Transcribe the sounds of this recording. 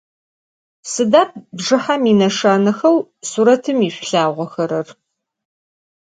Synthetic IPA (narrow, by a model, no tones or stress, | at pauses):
sɨdaːp̚bʐɨħamiːnɐʂaːnɐxɐwsuːɾɐtʰɨmiːɕʷɬaːʁʷɔxɐɾɐr